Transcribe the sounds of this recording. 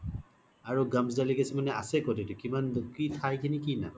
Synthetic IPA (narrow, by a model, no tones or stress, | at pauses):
aɹuɡamszaliɡasimanɛasɛkɔdetukimankitʰajkʰinikina̰